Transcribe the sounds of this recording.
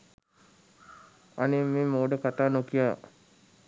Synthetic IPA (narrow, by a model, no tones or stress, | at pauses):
anemeːmoːɖəkat̪aːnokijaː